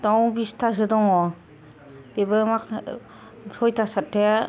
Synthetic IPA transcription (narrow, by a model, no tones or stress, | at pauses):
tawbistʰasɯdɔŋɔ | ibɯmak | sɔjtʰasatʰːe